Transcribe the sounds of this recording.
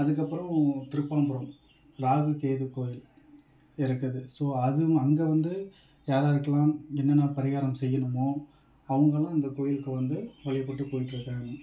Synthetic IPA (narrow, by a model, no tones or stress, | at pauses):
ɐðɯkːɐpːɯɾɐ̃t̪ɪɾɯpːaːmbɯɾɐm | ɾaːɣɯkeːðɯkoːjɪl | ɪɾɐkːɐðɯsoːɐðɯɐŋɡeːʋɐnd̪ɯ | jaːɾaːɪɾɯkːɐɭãːmɛnːɐnːaːpɐɾɪɣaːɾɐmsɛjːɐɳɯmoː | ɐʋɐŋɡɐɭlːãːɐnd̪ɐkoːjɪlɯkːɯʋɐnd̪ɯɐːɭɪpɔʈːɯpoːjɪʈːɪɾɯkːẽː